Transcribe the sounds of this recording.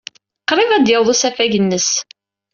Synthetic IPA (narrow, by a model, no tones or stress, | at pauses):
qɾˤɪvæd̪jəwðˤusæfæʝənːəs